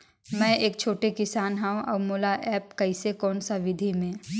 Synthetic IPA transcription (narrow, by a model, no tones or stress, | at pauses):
mɛ̃ːeːkt͡ʃʰoːʈekɪsaːnɦɛõʔɔːmoːlaʔɛːp̚kɐɪsekɔːnsaʋɪd̪ʱimẽː